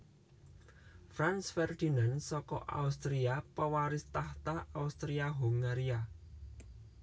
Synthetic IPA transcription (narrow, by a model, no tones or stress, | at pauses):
fɾansfɛrd̪i̤nansɔkɔ̰ʔa̰ust̪ɾiapəwaɾɪst̪aht̪aaust̪ɾiaɦuŋɡaɾia